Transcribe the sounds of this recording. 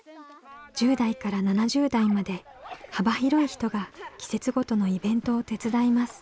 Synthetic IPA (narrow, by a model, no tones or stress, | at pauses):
d͡ʑɨːd̪aikaɾananaʑɨːd̪aimad̪e̞ | habaçiɾo̞içi̥t̪o̞ɡakʲi̥se̞t͡sɨɡo̞t̪o̞no̞ibẽ̞nt̪o̞ːt̪e̞t͡sɨd̪aimasɨ̥